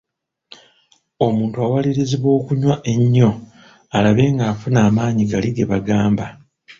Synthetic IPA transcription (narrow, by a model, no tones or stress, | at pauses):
o̞muːntuawaliɾiziβo̞ːkuɲwaʔe̞ɲːo̞ | alaβe̞ːŋɡaːfunaːmaːɲiɡaliɡe̞βaɡaːmba